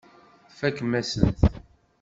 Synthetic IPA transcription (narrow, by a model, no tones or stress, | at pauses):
fækːmːæsənt̪